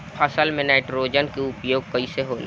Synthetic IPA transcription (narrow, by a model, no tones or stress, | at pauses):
pʰɐsəlmẽnaːʈɾoːd͡ʒənkeʊpjoːɡ̚kɐiseɦoːl